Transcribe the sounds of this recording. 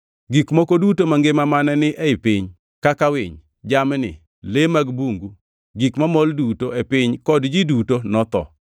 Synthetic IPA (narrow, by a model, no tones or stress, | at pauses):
ɡikmokodutomaŋɡemamanɛnɪʔɛɪpɪɲ | kakawɪ̰ɲ | d͡ʒamnɪ̰ | lemaɡbuŋɡu | ɡikmamoldutoepɪɲkɔdd͡ʒidutonɔt̪ɔ̰